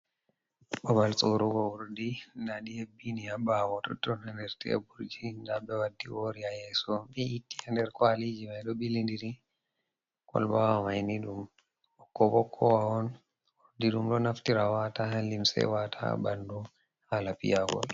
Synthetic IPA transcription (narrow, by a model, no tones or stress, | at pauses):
ɓɔbalsʼoɾuɡɔwuɾdinaɗihebːiniabawɔtɔtɔnɛndɛɾtiɛ̰buɾd͡ʒindabɛwadːiwoɾiajɛsɔɓiitːi̥hɛndɛɾkwalid͡ʒimajɗɔɓilindiɾi | kɔ̰lbawamajniɗum | ɔkːɔbɔkʰːɔwaɔn | wuɾdiɗumɗɔnaftiɾawatahalimsɛ̰watʰa̰bandu | halapḭjaɡɔ̰l